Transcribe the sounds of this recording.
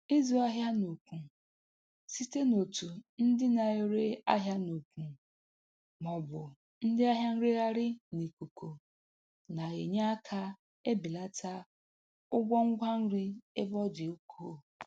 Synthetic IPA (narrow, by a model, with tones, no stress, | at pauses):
ɪ˦zu˨a˦ɦja˦no˨kʷu˨ | si˦te˦no˨tu˨n̩˦dɪ˦na˨e˨ɾe˦a̰˦ɦja˦no˨kʷu˨ | mɔ˨bʊ˨ | n̩˦dɪ˦a˦ɦja˦n̩˦ɾi˦ɣa˦ɾɪ˦ne˨ku˨kʰo˨ | na˨ɣe˨ɲa˦a˦kʰa˦ | e˦bi˨la˦tʰa˦ | ʊ˦ɡʷɔ˦ŋ̩˦ɡʷa˦n̩˦ɾi˦e˦bɔ˦d͡ʒi˨o˦kʰoː˦